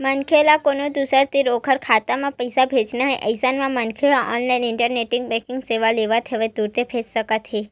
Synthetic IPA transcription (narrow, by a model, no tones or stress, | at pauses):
mənkʰelakonod̪usəɾt̪iɾokʰəɾkʰat̪amãpəjsabʱet͡ʃnaɦeʔəjsanmãmənkʰeaʔɔnlainɪɳʈəɾneʈɪŋɡ̚bɛ̃kɪŋɡseʋaleʋat̪ʰeʋad̪uɾt̪ʰepʰet͡ʃsəkat̪ʰe